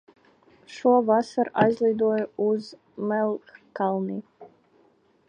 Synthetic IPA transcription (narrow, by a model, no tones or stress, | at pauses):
ʃuɔvasaɾʔajzlˠʲijd̪uɔjuz | mɛlˠxkalˠniː